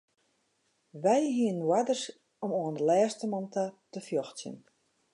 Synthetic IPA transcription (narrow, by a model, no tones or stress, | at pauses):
ʋɛjɦiənwadərs | ɔmoːəndəlɛːstəmɔntatəfjɔxtjə̰n